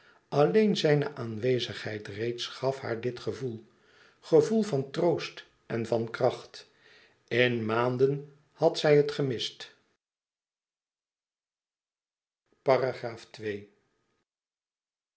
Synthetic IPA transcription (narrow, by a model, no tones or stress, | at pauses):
ɑlejnzɛjnəʔaːnʋejzəχhɛjtrejtsχɑfha̰ːɹdɪtχəvulˠ | χəvulˠvɑntrowst | ɛnvɑnkrɑχt | ɪnmaːndən | hɑtsɛjɦətχəmɪst | paraχraːftʋej